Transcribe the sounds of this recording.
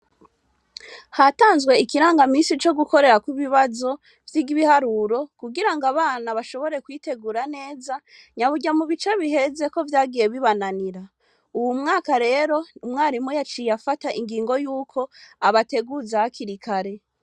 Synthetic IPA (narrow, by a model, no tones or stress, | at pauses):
hataːnzɡwe̞ikiɾaːŋɡamiːnsit͡ʃo̞ɡuko̞ɾe̞ɾakuβiβazo̞ | vjiːɡiβihaɾuɾo̞kuɡiɾaŋɡaβaːnaβaʃo̞βo̞ɾe̞kwiːte̞ɡuːɾane̞ːza | ɲaβuɟamuβit͡ʃeβihe̞ze̞ko̞vjaːɡije̞βiβananiɾa | uwumŋaːkaɾe̞ɾo̞umŋaːɾimujat͡ʃijafataʔiŋɡiːŋɡo̞juːkʰo̞aβate̞ɡuzaakʰiɾikʰaɾe̞